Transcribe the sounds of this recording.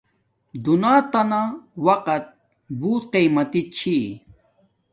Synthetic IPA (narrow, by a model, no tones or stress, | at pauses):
d̪unaːt̪anawɐqɐt̪̚ | buːt̪qejmɐt̪it͡ɕʰi